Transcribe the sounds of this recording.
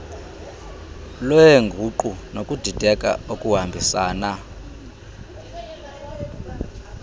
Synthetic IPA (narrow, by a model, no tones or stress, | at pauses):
lɔjeŋɡʱuǃunokʼud̥ʱid̥ʱɛkʼa̰okʼuɦambʱisaːna